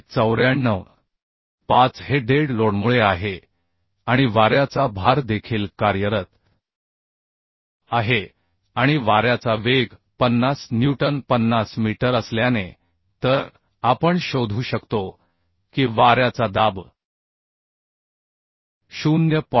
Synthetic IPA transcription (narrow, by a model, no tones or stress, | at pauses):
t͡səwɾjaɳːəwɳ | pat͡sheɖeɽloɽmuɭeaɦe | aɽ̃iʋaɾjat͡sabʱaɾd̪ekʰiːlkaɾjəɾət̪ | aɦe | aɽ̃iʋaɾjat͡saʋeɡpənːasnjuʈənpənːasmiʈəɾəsljane | t̪əɾ | apəɳɕod̪ʱuːɕəkt̪o | kiːʋaɾjat͡sad̪ab | ɕunjəp